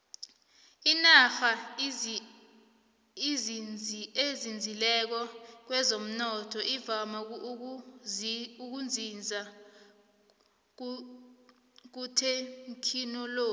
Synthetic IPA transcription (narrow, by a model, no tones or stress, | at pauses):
inafa | izʱ | ezind͡zʱilɛk̬ɔk̬wɛzom̩nɔtʰɔʔivama | uk̬und͡zʱind͡zʱa | k̬utʰeŋkʰinɔloː